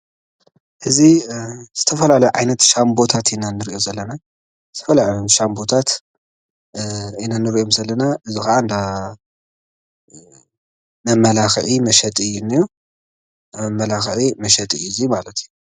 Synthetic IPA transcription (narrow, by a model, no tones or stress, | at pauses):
ʔɨziz̥ɨt̪ʰɐfɐlalɐjuʕajnɐt̪ʃambo̞t̪ʰat̪ɨnːanɨɾiʔo̞zɐlːɐna | zɨt̪ʰɐfɐlalajomʃambo̞t̪ʰat̪ | ɨnːanːɨɾiʔo̞mzɐlːɐnaʔɨzixɐʔand̪a | mɐmːɐlaxʕimɐʃɐt̪ʼɨjːunːiju | mɐmːɐlaxʕimɐʃɐt̪ʼɨjːumalɐt̪iju